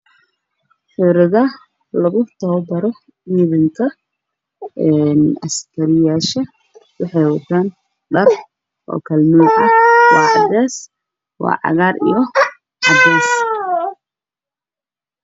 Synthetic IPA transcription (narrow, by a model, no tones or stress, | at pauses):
ħʊɾɪðɐ | lɐɣʊt̪ʰɔːbɐɾɔ | iːðɪŋkʰɐ | ɛnɐ̰skʰɐɾɪjaːʃɐ | wɑħɑjwɐt̪ʰaːn | ɖɐr | ʔɔ̰ːkʰɐlmuːʔɐwɑːħɑdɛːs | wɑ̰ːʕɑ̰ɣaːɾḭjɔ | ħɑdɛːs